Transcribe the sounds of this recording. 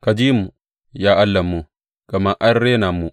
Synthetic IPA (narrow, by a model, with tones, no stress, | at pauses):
ka˨d͡ʒiː˦mu˨ | jaː˦ʔa˦lːa˨mːu˨ | ɡ̥a˨ma˦ʔa˦ɾːe˦na˨mːu˨